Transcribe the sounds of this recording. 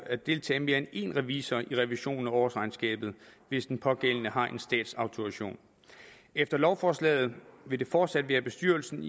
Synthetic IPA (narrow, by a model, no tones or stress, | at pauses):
æd̥e̝lt͡sʰɛ̰ːme̝ɐene̝̰ːnʁɛʋisɐiʁɛʋiɕo̝̰ːn̩æɒːsʁɑ̈ɪnsɡ̥ɛ̰ːb̥ð̞̩ˠʋe̝sd̥enpʰɒ̽ɡ̥el̰nəɦɑ̈ʔe̝nsd̥ɛ̰ːd̥sɑ̈ʊt͡sʰo̝aɕo̝̰ːn | efd̥ɐlɒʊfɒːslɛ̰ːð̞̩ˠʋe̝d̥e̝fɒːd̥sæd̥ʋæːɐb̥e̝sd̥yɐlsn̩